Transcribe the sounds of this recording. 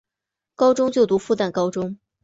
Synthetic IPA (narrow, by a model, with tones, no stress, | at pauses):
kɑ˥ʊʈ͡ʂʊ˥ŋt͡ɕjo˥˩ʊt̪u˧˥fu˥˧t̪a˥˩kɑ˥ʊʈ͡ʂʊ˥ŋ